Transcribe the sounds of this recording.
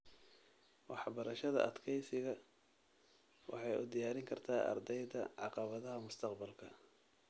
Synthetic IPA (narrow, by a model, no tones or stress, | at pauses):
wɑħbɐɾɐʃɐðɐ̰ʔɐd̪kʰɛjsɪɣɐ | wɑ̰ħɑjʊ̰d̪ɪjaːɾɪŋkʰɐrt̪ʰaːʔɐ̰rd̪ɛjðɐʕɑqɑβɐðɐɦɐmʊst̪ʰɐqbɐlkʰɐ